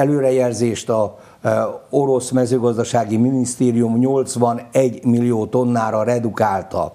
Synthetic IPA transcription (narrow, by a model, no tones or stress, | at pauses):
ɛløːɾɛjɛrzeːʃt̪ɒ | o̞ɾo̞smɛzøːɡɒzd̪ɒʃaːɡiminist̪eːɾijumɲo̞lt̪sʋɒnɛɟːmilːijoːt̪o̞nːaːɾɒɾɛd̪ukaːlt̪ɒ̰